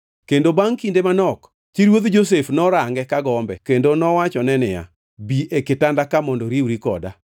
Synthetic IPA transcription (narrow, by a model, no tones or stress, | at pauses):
kendobaŋkindemanɔk | t͡ʃiɾwod̪d͡ʒos̬efnɔɾaŋɡɛkaɡɔmbɛ̰kendonɔwat͡ʃɔnɛnɪja̰ | biekɪtandakamɔndɔɾiwɾikɔ̰da̰